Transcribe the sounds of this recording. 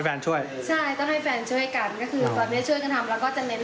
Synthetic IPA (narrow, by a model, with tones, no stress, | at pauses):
fɛː˧nt͡ɕʰu˥˩əj | t͡ɕʰa˥˩jt̪ɔ˥˩ŋɦa˥˩jfɛː˧nt͡ɕʰu˥˩əjka˧nkɔː˥˩kʰɯː˧bɛː˨˩ni˦˥˦t͡ɕʰu˥˩jka˧nt̪ʰa˧mlɛː˦˥wkɔː˥˩t͡ɕa˨˩ʔne˦˥n